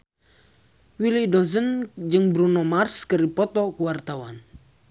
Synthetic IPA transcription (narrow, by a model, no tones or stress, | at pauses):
wilidɔzənd͡ʒɨŋbɾunɔmarskɨɾipɔt̪ɔkuwart̪awan